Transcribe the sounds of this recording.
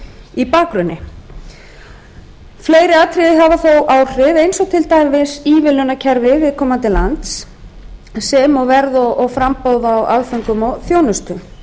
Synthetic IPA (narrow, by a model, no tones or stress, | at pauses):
ipaːkɾʏnːɪ | fleːjɾɪat̪ʰɾijɦavaθowʔaːwr̥ɪðejnsɔɣt̪ʰɪlt̪aːjvɪsiːvɪlʏnacʰɛɾvɪvɪðkʰɔːmant̪ɪlant̪sː | ɛmɔɣvɛɾðɔɔɣfɾampowðaːwa̰ðfʏŋkʏmɔɣθjownʏst̪ʏ